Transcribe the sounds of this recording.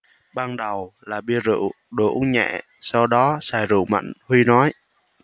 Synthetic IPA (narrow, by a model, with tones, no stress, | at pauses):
ɓaː˧nɗə˨˩wlaː˨˩ɓi˧əzɨ̰˧˨ | ɗu˧˩ɲɛ̰˧˩˨ | sa˧wɗɔ˨˦saː˧˩jzṵ˧˨ma̰˧˨jŋ̟hwi˧nɔ˨˦j